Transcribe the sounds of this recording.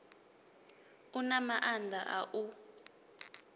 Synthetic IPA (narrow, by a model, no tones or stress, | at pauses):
unamaʔandʱaʔaʔu